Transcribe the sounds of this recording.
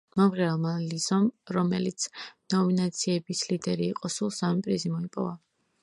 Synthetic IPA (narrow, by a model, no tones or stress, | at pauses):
mɔmʁɛalˠmalizɔmɾɔmɛlit̪sʰnɔminat̪sʰiɛbislid̪ɛɾiːqʼɔsulˠsamipʼɾizimɔipʼɔva